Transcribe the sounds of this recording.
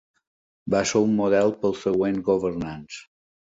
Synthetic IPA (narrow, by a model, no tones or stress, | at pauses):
baseumːuðɛlˠpəlˠsəɣwenɡoβəɾnans